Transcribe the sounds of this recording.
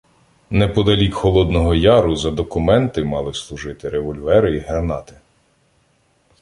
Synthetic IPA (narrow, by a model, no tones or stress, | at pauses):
nɛpɔd̪ɐlʲikxɔlˠɔd̪nɔɦɔjɑɾʊzɐd̪ɔkʊmɛnt̪ɪmɑlˠɪslˠʊʒɪt̪ɪɾeʋɔlʲʋɛɾɪiɦernɑt̪ɪ̥